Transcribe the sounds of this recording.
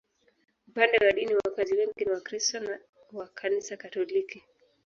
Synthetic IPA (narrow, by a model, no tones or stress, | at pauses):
upandɛwaɗiniwakaziwɛŋɡiniwakɾistɔna | wakʰanisakatɔliki